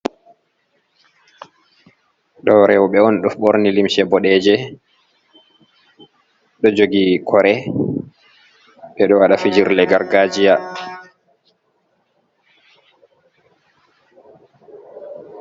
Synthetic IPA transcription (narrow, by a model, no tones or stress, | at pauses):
ɗɔɾɛwɔɓɛɔnɗɔfɓoɾnilimʃɛbɔɗɛd͡ʒɛ | ɗɔd͡ʒoɡikʰɔɾɛ | ɓɛɗɔwaɗafid͡ʒiɾlɛɡaɾɡad͡ʒija